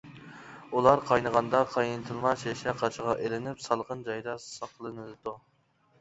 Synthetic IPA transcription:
ulˠɑɾqʰɑjnəʁɑnd̪ɑqʰɑjɨnt̪ʰɨlˠmɑʃeʃɛqʰɑt͡ʃʰəʁɑʔelɪnɪpsɑlˠʁənd͡ʒɑjd̪ɑsɑqlˠɨnɨd̪ɨd̪u

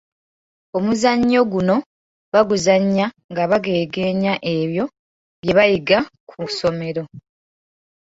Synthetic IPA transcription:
omuzaɲːo̞ɡuno̞ | βaɡuzaɲːa | ŋɡaβaɡe̞ːɡe̞ːɲaʔe̞βjo̞ | βje̞βajiɡakʰuso̞me̞ɾo̞

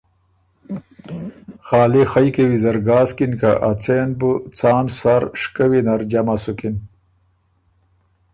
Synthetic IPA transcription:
xɑːlixajkewizɐɾɡaːskinkaʔat͡senbut͡sɑːnsaɾʂkawinaɾd͡ʑamasukin

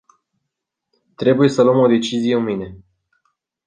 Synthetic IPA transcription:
t̪ɾe̞buje̞səlwəmo̞d̪e̞t͡ʃizijeunmijne̞

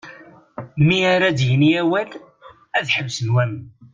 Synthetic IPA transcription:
miaɾad̪jəniæwæl | æðħəvsənwæm

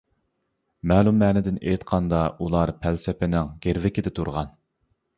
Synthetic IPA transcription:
mɛːlumːɛːnɪd̪ɪnḛjt̪qʰɑnd̪ɑulˠɑɾpʰælsɪpɪnɪŋɡʲeɾvɪkʲɪd̪ɛt̪ʰuɾʁɑn

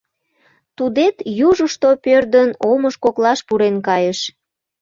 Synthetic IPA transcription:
t̪ud̪et̪juʒəʃt̪opørd̪ənoməʃkoklɑʃpuɾenkɑjəʃ

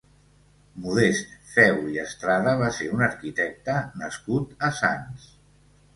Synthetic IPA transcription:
muðest̪fɛwiəst̪ɾaðəβ̞aseɾunəɾkit̪ɛk̚t̪ənəskut̪əsans

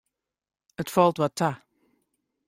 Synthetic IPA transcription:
ətfɔlˠtwatʰa

